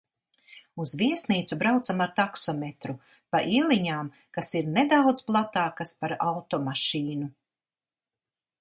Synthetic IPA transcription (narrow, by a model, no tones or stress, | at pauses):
uzviɛsniːt̪subɾawt̪samaɾt̪aksɔmet̪ɾu | paʔilʲˠiɲaːm | kasiɾned̪awd̪zplˠat̪aːkaspaɾawt̪ɔmaʃiːnu